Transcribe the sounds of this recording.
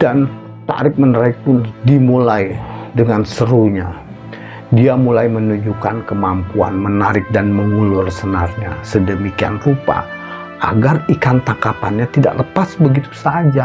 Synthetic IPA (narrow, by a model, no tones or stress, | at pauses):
d̥an | t̪a̰ɾɪk̚mənɾaɪk̚pʊndimulajdəŋansəɾuɲa | diamulajmənuɲd͡ʒukankəmampua̰nmənaɾɪk̚danməŋulʊrsənarɲa̰sədəmikia̰nrupa̰ | ʔa̰ɡarikant̪akapa̰nɲat̪ida̰ʔləpasbəɡit̪u̥sad͡ʒa